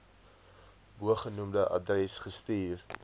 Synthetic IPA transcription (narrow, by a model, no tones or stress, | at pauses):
buəχənumdəʔɐ̰drɛsχəstiːr